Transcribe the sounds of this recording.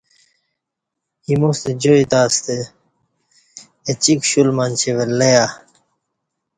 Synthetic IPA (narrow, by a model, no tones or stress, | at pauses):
himost̪ed͡ʑoit̪aːst̪e | t͡ɕikɕulmant͡ɕʰeʋelːeja